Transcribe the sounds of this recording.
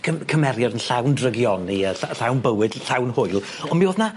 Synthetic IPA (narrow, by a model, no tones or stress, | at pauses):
kʰəkʰəmɛɾjɔdənɬawndrəɡjɔniəaɬawnbəwɨd̥ɬawnhʊjlˠ | ɔnmioːðna